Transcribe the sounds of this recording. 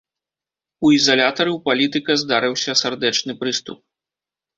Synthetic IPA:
uizalʲat̪ɐɾɨwpalʲit̪ɨkɐzd̪aɾɨwsʲɐsard̪ɛt͡ʂnɨpɾɨst̪ṵp̚

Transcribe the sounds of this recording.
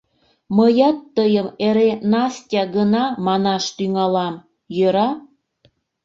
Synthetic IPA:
məjɑt̪ːəjəmeɾenɑsʲtʲɑɣənɑmɑnɑʃt̪yŋɑlɑm | jøɾɑ

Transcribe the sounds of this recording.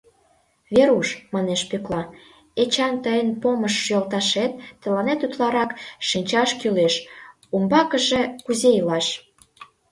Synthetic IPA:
βeɾuʃmɑneʃpyklɑ | et͡ɕɑnt̪əjənpoməʃːjolt̪ɑʃet̪ːə̆lɑnet̪ut̪lɑɾɑkʃinʲt͡ɕɑʃkyleʃ | umbɑkə̆ʒĕkuzejilɑʃ

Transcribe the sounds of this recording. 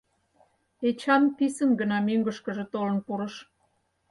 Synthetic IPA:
et͡ɕɑmpisənɡənɑmyŋɡəʃkəʒĕt̪olənpuɾəʃ

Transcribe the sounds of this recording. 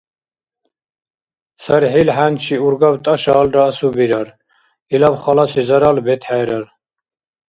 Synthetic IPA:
saɾɦilħant͡ʃʰiuɾɡabt̪ʼaʃaːlɾaːsubiɾaɾ | ilabχalasizaɾalbɛt̪ʰħaːɾaɾ

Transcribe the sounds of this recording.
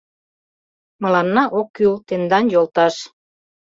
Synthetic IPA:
mə̆lɑnːɑʔokːylt̪end̪ɑnjolt̪ɑʃ

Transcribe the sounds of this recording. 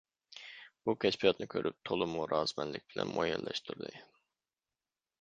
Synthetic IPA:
b̥ukʲʰɛt͡ʃpʰijɑt̪nɨkʲʰøɾʔyp̚t̪ʰolˠɨmuɾɑːz̥mɛnlɪk̚ʲbɪlɛ̰nmʔojɛnlɛʃt̪ʰuɾd̪ɨ

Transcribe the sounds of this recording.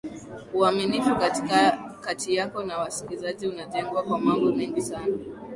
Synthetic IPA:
uaminifukati̥kakatʰijakɔnawasi̥kilizaʄiunatɛŋɡwakwamambɔmɛŋɡisana

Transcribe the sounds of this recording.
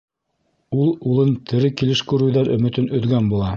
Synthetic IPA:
ulˠulˠɤnt̪ʰɘ̆ɾɘkilɘʃkʉɾʉwðæɾɵ̆mɘ̆t̪ɘnɵ̆ðɡænbulˠɑ

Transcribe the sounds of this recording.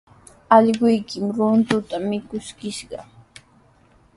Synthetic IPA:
ɑʎɢʊjkɪmɾʊnt̪ʊt̪amɪkʊskɪʃɢɑ̰

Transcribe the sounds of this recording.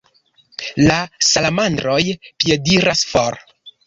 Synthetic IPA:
lasalamandɾo̞jpje̞diɾasfoɾ

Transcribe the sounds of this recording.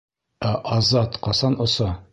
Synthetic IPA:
æʔɑzɑt̪qɑsɑnŏsɑ

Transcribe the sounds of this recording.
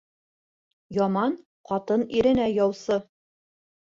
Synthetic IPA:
jɒmɑn | qɒt̪ɤniɾɘ̆næjɒwsɤ

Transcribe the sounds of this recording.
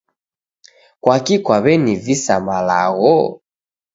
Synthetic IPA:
kwakikwaβɛnivisamala̰ɣɔ

